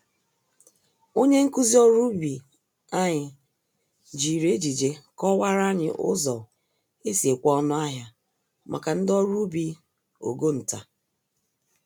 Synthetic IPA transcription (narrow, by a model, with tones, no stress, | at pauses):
o˦ɲe˦ŋ̩˦ku˦zi˦ɔ˦ɾu˦bi˨ | a˦ɲɪ˨ | d͡ʒi˨ɾe˦d͡ʒi˨d͡ʒe˨kɔ˦wa˦ɾa˦ɲɪ̰˨ʔʊ̰˦zɔ˨ | e˦si˨e˨kʷɔ˦ɔ˦nʊ˦a˦ɦja˦ | mʔa̰˨ka˨n̩˦dɔ˦ɾu˦bi˦ | o̰˨ɡo˦n̩˨ta˨